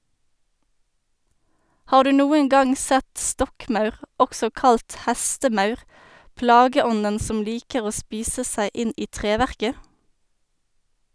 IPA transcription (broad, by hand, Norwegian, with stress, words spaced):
ˈhɑːʁ ˈdʉː ˈnuːəŋ ˈɡɑŋ ˈsɛt ˈstɔkˌmɑʉʁ ˈɔksɔ ˈkɑlt ˈhæstəˌmɑʉʁ ˈplɑːɡəˌɔnən ˈsɔm ˈliːkəʁ ˈoː ˈspiːsə ˈsæɪ ˈɪn ˈiː ˈtʁeːʋæʁkə